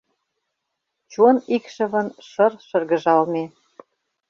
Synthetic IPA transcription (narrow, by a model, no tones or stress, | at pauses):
t͡ɕunikʃə̆βə̆nʃɤ̆rʃɤ̆rɣə̆ʒɑlme